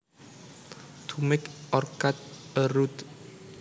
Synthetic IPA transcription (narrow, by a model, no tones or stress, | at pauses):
t̪ʰumɪkɔrkat̪̚əɾut̪